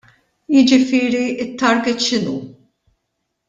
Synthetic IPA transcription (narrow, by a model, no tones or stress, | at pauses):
jɪd͡ʒɪfɪːɾiɪt̪ːɐɾɡɛt̪ʃɪnuː